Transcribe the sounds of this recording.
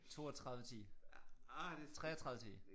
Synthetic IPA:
t͡sʰo̝̰ːɐt͡sʰʁɑ̈ðˠʋət͡sʰḭː | t͡sʰʁɛ̰ːɐt͡sʰʁɑ̈ðˠʋə̥t͡sʰḭː

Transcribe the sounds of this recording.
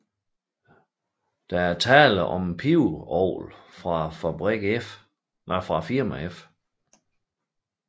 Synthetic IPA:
d̥ææɐt͡sʰɛːlʔɒmpʰiʊɒʊ̰lfʁɑ̈fæb̥ʁɛɡ̥f | fʁɑ̈fiɐmæef

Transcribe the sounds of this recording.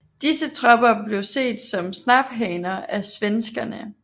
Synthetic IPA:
d̥isət͡sʰʁɒb̥ɐble̝ʊse̝̰ːd̥sɒ̽msnɑb̥ɦɛɪnɐæsʋensɡ̥ɐnə

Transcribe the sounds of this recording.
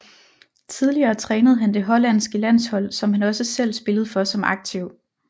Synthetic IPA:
t͡sʰið̞ˠliɐːt͡sʰʁɛːnəð̩ˠɦænd̥e̝ɦɒ̽læn̰sɡ̥əlæn̰shɒ̽l̰sɒ̽mhænɒ̽səsel̰sb̥e̝ləð̞̩ˠfɒ̽sɒ̽mʔɑ̈ɡ̥̚t͡sʰiʊ̰

